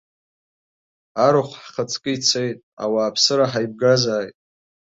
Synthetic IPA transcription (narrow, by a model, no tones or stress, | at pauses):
aɾɨχʷħχat͡sʰʼkʼɨit͡sʰejtʼa̰waːpʰsɨɾaħajb̚ɡazaːjtʼ